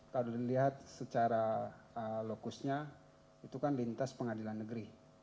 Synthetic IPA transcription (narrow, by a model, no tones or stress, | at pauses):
kaluiliɦat̪̚sət͡ʃaɾa | əlokusɲa | it̪ukanlint̪aspəŋadilanːəɡəɾi